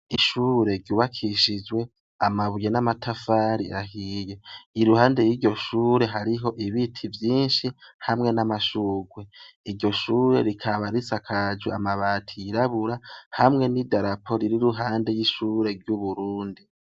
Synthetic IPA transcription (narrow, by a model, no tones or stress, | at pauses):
iʃuːɾe̞ɾɟuːβakʰiʃid͡ʒwe̞ | amaβujenamatʰafaːɾiḛɾaɦiːje̞iɾuhaːnde̞jiːɾɟo̞ʃuːɾe̞ɦaɾiɦo̞ʔiβitʰivjiːnʃihamŋe̞namaʃuːɡwe̞iɾɟo̞ʃuːɾe̞̰ɾikʰaβaɾit͡sakʰad͡ʒuamaβaːtʰijiɾaβuɾahamŋe̞nidaɾapʰo̞ɾiɾiɾuɦaːnde̞jiʃuːɾe̞ɾɟuβuɾuːndi